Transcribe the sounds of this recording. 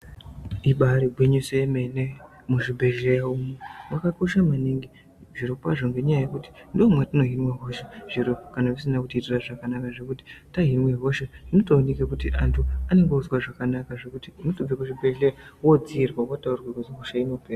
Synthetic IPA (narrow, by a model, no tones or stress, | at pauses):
iɓaɾiɡwiɲusemene | muʐibʱe̞ɮejaumemwakako̞ʃamaniŋɡi | ʐirikwaʐoŋɡe̞ɲajajekuti̥ndiomwatino̞ɦinwaɦo̞ʃe̞ʐ̥iɾokanaʋisinakutitiraʐakanakaʐe̞kuti̥taɦinweɦo̞ʃeinotoːnikekutiʔantʰuane̞ŋɡouzwaʐakanakaʐekutinotob͡vekuibʱe̞ɮejawod͡ziːrwawotaurwakuzɦoʃaino̞peːra